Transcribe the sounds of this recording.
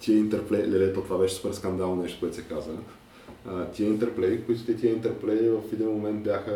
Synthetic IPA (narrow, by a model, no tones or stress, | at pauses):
t̪iəint̪ɛɾplɛlɛlɛt̪ot̪ovabɛʃɛsupɛɾskɐnd̪alˠnonɛʃt̪o̥koɛt̪ʊsɛkazə | t̪ʲiəint̪ɛɾplɛkoit̪ʊ̥t̪ɛt̪iəint̪ɛɾplɛvəfid̪inmomɛnt̪̚bʲjaxə